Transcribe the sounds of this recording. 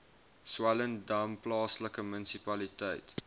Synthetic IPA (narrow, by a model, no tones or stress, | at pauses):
swaləndɐwmplɑːsləkəmənsipɐlitəjt